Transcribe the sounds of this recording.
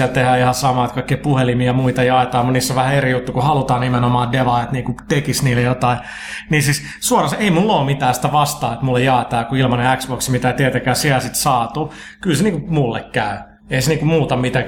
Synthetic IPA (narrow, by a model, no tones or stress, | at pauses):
ælt̪ehæihɑsɑmɑːet̪kɑikːiːpuhelimijɑmuit̪ɑjɑet̪ɑːmuniːsːoʋʋæhæerijut̪ːukuhɑlut̪ɑːnimenomɑːdeʋɑet̪niːŋkut̪ekisniːlːejot̪ɑi | niːsis | suorɑseimulːoːmit̪æːsi̥t̪æʋɑst̪ɑːet̪mulːejjɑˑet̪ɑːkuilmɑneæksboksmit̪æt̪iet̪ækæːsiælsit̪sɑːt̪uːkylseniːkumulːḛkkæy | eiseniːkumuːt̪ɑmit̪æ